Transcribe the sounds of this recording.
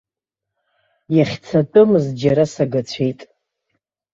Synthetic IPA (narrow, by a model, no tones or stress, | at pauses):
jaχʲt͡sʰatʼɨmɨzd͡ʒaɾasaɡat͡ɕʷʰejtʼ